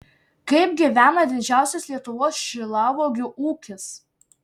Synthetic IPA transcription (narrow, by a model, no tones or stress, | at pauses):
kɐɪb̚ɡʲiˑʋʲæːnɐd̪ʲɪd͡ʒʲæˑʊsʲɛslʲiɛt̪ʊʋoːsʃʲɪlˠɑːʋoːɡʲʊʔuːkʲɪs